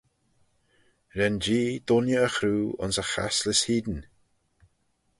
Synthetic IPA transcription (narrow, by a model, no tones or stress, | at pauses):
ɾɛnd͡ʒiːd̪̥ʊnjəəxɾuːʊ̰nsəxa̰slɪshiːd̪n̩